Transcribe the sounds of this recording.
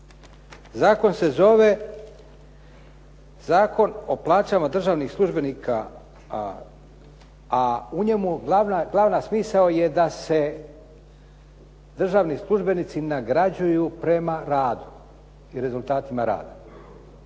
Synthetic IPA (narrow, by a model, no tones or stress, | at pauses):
zaːko̞nse̞zo̞ʋe̞ | zaːko̞no̞plˠaːt͡ɕaːmad̪r̩ʒaːʋnixslˠuʒbe̞niːkʰa | uɲe̞muɡlaʋnaɡlˠaʋnasmiːsaoje̞d̪ase̞ | d̪r̩ʒaːʋnislˠuʒbe̞nit̪sinaɡɾad͡ʑujupɾe̞maɾaːd̪u | iɾe̞zulˠt̪aːt̪imaɾa̰ːd̪a